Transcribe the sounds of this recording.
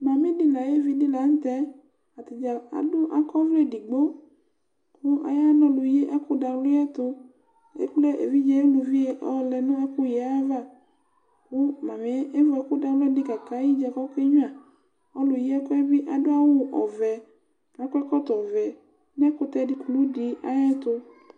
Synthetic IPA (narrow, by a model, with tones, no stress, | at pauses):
mã˨mĩ˦di˦la˨je˦vi˦di˦la˨n̩˦t̪ɛ˦ | a˨t̪i˨d͡ʒa˨a̰˨dʊ˦ʔa˨kɔ˦vle˦˨di˨ɡ͡bo˦ | kʰu˦a̰˨ja˦nɔ̃˧lu˨je˦ʔɛ˦ku˦da˨˦lo˦ɛ˦t̪o˧ | ḛ˦k͡ple˦ʔḛ˨vi˦d͡ʒɛ˦e˦lu˨vi˦e˦ʔɔ˦lɛ˨nũ˦ɛ˦ku˦jɛ˨a˦a˦va˦˨ | ku˦mã˨me˨˦ʔe˦vɔ˨ɛ˨˦ku˦da˨lo˦ɛ˦di˦ka˨ka˦ji˦d͡ʒɛ˨kɔ˦ke˦ɲũ˦a˨ | ɔ˦lu˨je˦ɛ˦kɔ˦ɛ˦bi˦ʔa˨do˦a˦wu˦ʔɔ̰˨vɛ˨ | a˨kʷɛ˦kɔ˦t̪ɔ˨vɛ˨ | nɛ˦ko˦t̪ɛ˦˨di˨ku˨lu˦di˨a˦jɛ˦t̪o˦